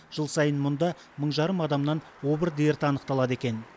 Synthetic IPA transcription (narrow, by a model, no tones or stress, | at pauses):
ʒ̥əlˠsɑjənmʊnd̪ɑ | məɴʒɑɾəmɑd̪ɑmnɑn | wo̞bəɾd̪e̞ɾt̪ɑnəqt̪ɑlˠɑd̪e̞kʲe̞n